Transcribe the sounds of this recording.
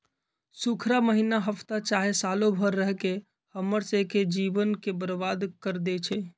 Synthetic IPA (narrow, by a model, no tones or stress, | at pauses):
sukʰɾaməɦinaɦəpʰt̪at͡ʃaɦesalobʱəɾːəɦke | həməɾseked͡ʒibənkebəɾbad̪kəɾd̪et͡ʃʰɛ